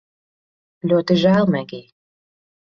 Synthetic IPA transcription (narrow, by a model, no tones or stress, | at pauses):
lʲot̪ə̆ʒælmæɡej